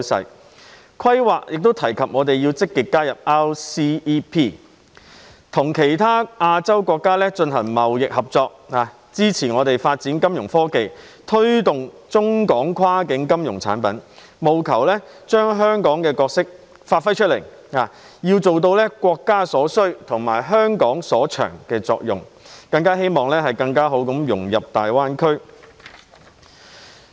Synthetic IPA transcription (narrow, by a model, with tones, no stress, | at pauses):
sɐ̰˨˧j | kʰɐ˥jwaː˨˩k̚jʔɪ˨k̚t̪o˥wt̪ʰɐ˨˩jkʰɐ˨p̚ŋɔː˨˧t̪e˨jiː˧wt͡sɪ˥kːɪ˨kːaː˥jɐ˨p̚aː˥wsiː˥pʰiː˥ | t̪ʰʊ˨˩ŋkʰe˨˩jt̪ʰaː˥aː˧t͡sɐ˥wkʷɔː˧kːaː˥lɛː˥t͡ʃɵ˧nɦɐ˨˩ŋmɐ˨wjɪ˨k̚hɐ˨p̚t͡sɔː˧k̚aː˨ | t͡siː˥t͡sʰiː˨˩ŋɔː˨˧t̪e˨jfaː˧t̚t͡siː˨˥nkɐ˥mjʊ˨˩ŋfɔː˥ke˨j | t̪ʰɵ˥ɥt̪ʊ˨ŋ | t͡sʊ˥ŋkɔː˨˥ŋkʰwaː˥kɪ˨˥ŋkɐ˥mjʊ˨˩ŋt͡sʰa̰ː˨˥npɐ˨˥n | mo˨˧wkʰɐ˨˩wlɛː˥ | t͡ʃœː˥ŋɦœː˥ŋkɔː˨˥ŋkɛː˧kɔː˧k̚sɪ˥k̚ | faː˧t̚fɐ˥jt͡ʃʰɵ˥t̚le˨˩j | aː˨jiː˧wt͡so˨wt̪̬o˧wlɛː˥kwɔː˧kːaː˥sɔː˨˥sɵ˥ɥt̪ʰʊ˨˩ŋma̰ː˨˩jɦœː˥ŋkɔː˨˥ŋsɔː˨˥t͡ʃʰœ̰ː˨˩ŋkɛː˧t͡sɔ̰ː˧k̚jʊ˨˩ŋkɐ˧ŋkaː˥ɦe˥jmɔː˨ŋlɛː˥ɦɐ˨jkɐ˧ŋkaː˥ɦo˨˥wkɐ˨˥mjʊ˨˩ŋjɐ˨p̚t̪aː˨jwaː˥nkʰɵ˥ɥ